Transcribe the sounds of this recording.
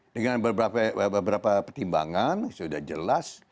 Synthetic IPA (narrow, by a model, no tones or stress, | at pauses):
dəŋanbəbɾapabəbəɾapapərt̪imba̰ŋansudahd͡ʒəlas